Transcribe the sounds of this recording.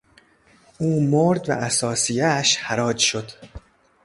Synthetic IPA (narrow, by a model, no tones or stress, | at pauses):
ʔuːmoɾd̪væ̰ʔæsɒːsijæʃhæɾɒːd͡ʒʃo̞d̪̥